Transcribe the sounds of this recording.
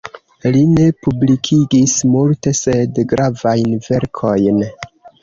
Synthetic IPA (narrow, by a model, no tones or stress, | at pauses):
line̞publikʰiɡismulte̞se̞dɡɾavajnve̞ɾkʰo̞jn